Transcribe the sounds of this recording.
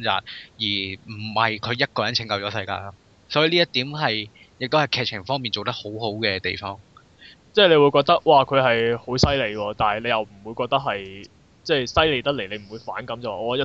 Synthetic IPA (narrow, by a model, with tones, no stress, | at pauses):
t͡sa̰ː˨˩t̚jiː˨˩m̩˨˩hɐ˨jkʰɵ˨˧jɐ˥t̚kɔː˧jɐ˨˥nt͡sʰɪ˨˥ŋkɐ˧wt͡ʃɔː˨˥sɐ˧jka̰ː˧ɐ˥ | sɔː˨˥jiː˨˧liː˥jɐ˥t̪iː˨˥mɦɐ˨j | jɪ˨k̚t̪o˥hɐ˨˩jkʰɛː˨˧k̚t͡ʃʰɪ˨˩ŋfɔː˥ŋmiː˨nt͡ʃo˨wt̪ɐ˥ho˨˥who˨˥wkɛː˧t̪ḛ˨jfɔː˥ŋ | t͡sɛː˥˩le˨˧jwu˨˧jkɔː˧k̚t̪ɐ˥k̚waː˨˩kʰɵ˨˧ɥɦɐ˨jho˨˥wsɐ˥jle˨˧jwɔː˧t̪aː˨˩n˨le˨˧jɐ˨wm̩˨˩wu˨˧jkɔː˧k̚t̪ɐ˥k̚ɦɐ˨j | t͡sɛː˥˩jsɐ˥jle˨˧jt̪ɐ˥k̚le˨˩le˨˧m̩˨˩wuː˨˧jfaː˨˥nkɐ˨˦˥mt͡sɐ˨waː˨ɔː˧jɐ˥